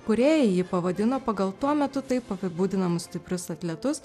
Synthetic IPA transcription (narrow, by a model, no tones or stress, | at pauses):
kʊɾʲeːjɪjɪpɐʋɐd̪ʲɪnoːpɐɡɐlˠt̪uɔmʲɛt̪ʊt̪ɐɪpɐpʲɪbuːd̪ʲɪnɐmʊssʲt̪ʲɪpʲɾʲʊsɐt̪ʲlʲɛt̪ʊs